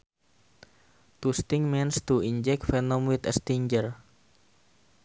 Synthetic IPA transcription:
t̪ust̪ɪŋmɛnst̪uiɲd͡ʒɛk̚t̪fɛnɔmwit̪əst̪iɲd͡ʒər

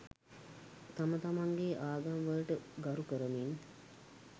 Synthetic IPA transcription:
t̪amət̪amaŋɡeʔaːɡaŋʋələʈəɡaɾukəɾəmin

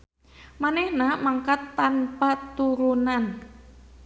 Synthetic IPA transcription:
manɛhnamaŋkat̪ːanpat̪uɾunan

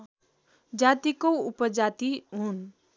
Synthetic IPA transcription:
d͡ʒat̪ikoupəd͡ʒat̪iɦun

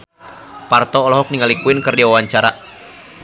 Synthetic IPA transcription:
part̪ɔːlɔɦɔk̚niŋalikuɪnkɨrdiwawaɲt͡ʃaɾa

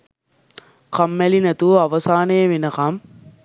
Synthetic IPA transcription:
kɐmːælinɐt̪uɐʋɐsaːnejɐʋenɐkɐm

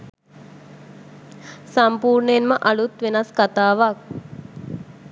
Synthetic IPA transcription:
sampuːɾɳəjenməʔalut̪ʋenaskat̪aːʋak̚

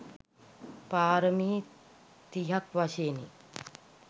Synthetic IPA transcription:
paːɾəmiː | t̪iɦakʋaʃeːnḭ

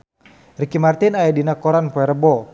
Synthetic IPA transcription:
rikimart̪inajadinakɔɾanpɔɛɾəbɔ

